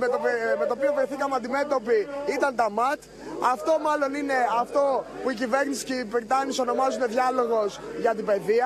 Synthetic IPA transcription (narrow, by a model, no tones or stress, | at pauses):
met̪ome̞t̪oːpio̞vɾiθikɐmeɐnd̪ime̞t̪o̞piit̪ɐnt̪ɐmɐt̪ | ɐft̪o̞mɐlo̞nine̞ɐft̪o̞puicive̞ɾnisi̥cipɾit̪ɐniso̞no̞mɐzuneðʝɐlo̞ɣo̞sʝɐt̪ibe̞ðiɐ